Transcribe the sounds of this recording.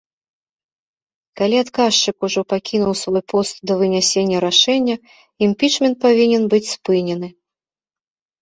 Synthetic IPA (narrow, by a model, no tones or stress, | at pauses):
kalʲiat̪kaʂt͡ʂɨkuʐɔpakʲinuwsvɔjpɔst̪d̪ɐvɨnʲasʲenʲːɐɾaʂɛnʲːɐ | imʲpʲit͡ʂmʲɛnt̪̚pavʲinʲɛnbɨt͡sʲspɨnʲɛnɨ